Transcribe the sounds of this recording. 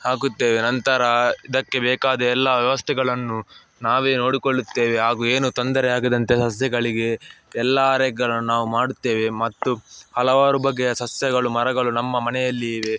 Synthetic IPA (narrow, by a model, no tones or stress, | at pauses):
haːk̬ut̪ːeːʋenɐnt̪ɐɾɐid̪ɐkːe̞bɛːkaːd̪ɐɛlːɐʋjɐʋɐst̪ʰɛɡɐɭɐnːu | naːʋe̞ːno̞ːɽikoɭːut̪ːe̞ːʋeɦaːɡuːeːnut̪ɐnd̪ɐɾɛaːɡid̪ɐnt̪e̞sɐsjɐɡɐɭiɡe̞ɛlːɐːɾɛɡɐɭɐnːunaːʋumaːɽut̪ːe̞ːʋe̞mɐt̪ːuhɐlɐʋaːɾubɐɡːejɐsɐsjɐɡɐɭumɐɾɐɡɐɭunɐmːɐmɐnɛjɐlːiiːʋe̞